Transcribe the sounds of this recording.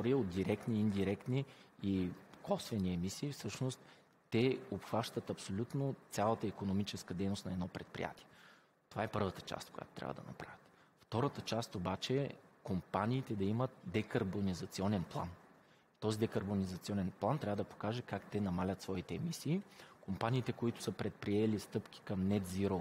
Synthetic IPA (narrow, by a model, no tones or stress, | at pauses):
ɔɾiəot̪̚d̪iɾɛkt̪niːnd̪iɾɛkt̪niikɔsvɛniɛmisiːfsɤʃnost̪ː | ɛopxvaʃt̪ət̪ɐpsolʲut̪not̪sʲalˠət̪əikonomit͡ʃɛskəd̪ɛjnost̪nɐɛd̪nɔpɾɛt̪̚pɾḭja̰t̪iɛ | t̪ovaɛpɤɾvət̪ə̥t͡ʃa̰st̪koʊja̰t̪o̥t̪ɾʲa̰və̰d̪ɐ̰nɐ̰pɾa̰vʲə̥t̪ | ft̪ɔɾət̪ət͡ʃast̪obat͡ʃɛkompanʲiːt̪ɛd̪ɐimət̪̚d̪ɛkɐɾbonizɐt̪siɔnɛnplˠa̰n | t̪ɔzid̪ɛkɐɾbonizɐt̪siɔnɛnplˠant̪ɾʲavəd̪ɐpo̥kaʒɛkakt̪ɛnɐmalʲət̪svɔit̪ɛɛmisiːkompanʲiːt̪ɛkoit̪ʊ̥sɤpɾɛt̪̚pɾiɛlist̪ɤpk̟i̥kɐmnɛt̪ziɾo